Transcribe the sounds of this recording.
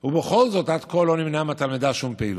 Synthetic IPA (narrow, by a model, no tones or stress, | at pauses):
hubeχo̞lzo̞tad̪ko̞lːo̞nimnamat̪almid̪aʃumpeḭl